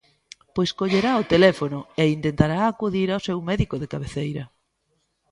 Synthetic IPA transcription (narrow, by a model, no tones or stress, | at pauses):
pojskoʎeɾaot̪elɛfonʊeint̪ent̪aɾaːkuðiɾaosɛwmɛðikʊðekaβeθejɾɐ